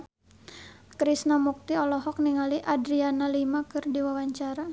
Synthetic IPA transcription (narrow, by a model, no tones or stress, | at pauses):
kɾisnamuk̚t̪iɔlɔɦɔk̚niŋaliʔadɾianalimakɨrdiwawaɲt͡ʃaɾa